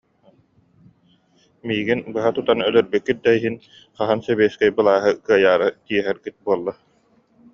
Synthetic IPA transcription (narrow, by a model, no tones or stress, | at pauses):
miːɡinbɯɦat̪ut̪anœlœɾbykːit̪̚d̪aiɦin | χaɦansɛβɛːskɛjbɯlˠaːɦɯkɯɐjaːɾɯt̪iɛɦɛɾɡit̪̚buɔlˠːa